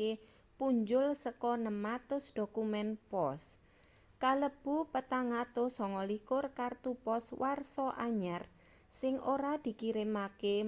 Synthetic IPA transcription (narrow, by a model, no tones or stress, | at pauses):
e | puɲd͡ʒʊlsəkɔnəmat̪ʊsd̪̥o̤kumɛnpɔs | kaləb̥upət̪aŋat̪osɔŋɔlikʊrkart̪upɔswarsɔʔa̰ɲar | sɪŋoɾad̪̥i̤kiɾɪmake